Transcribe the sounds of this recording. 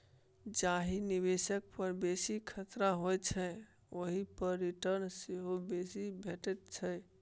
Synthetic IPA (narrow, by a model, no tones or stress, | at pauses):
d͡ʒaɦiniβesək̚pəɾbesikʰət̪ɾaɦojt͡ʃʰɛ | oɦipəɾːiʈəɾnseɦobesibʱeʈɛt̪̚t͡ʃʰə